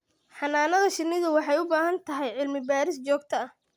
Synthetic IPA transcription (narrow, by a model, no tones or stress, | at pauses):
ħɑnaːnɐðɐʃɪrnɪðʊwɑħɑjʊbaːɦɐnt̪ʰɐɦɛjʕɪlmɪbaːɾɪst͡ʃɔːɡ̚t̪ʰɐɐh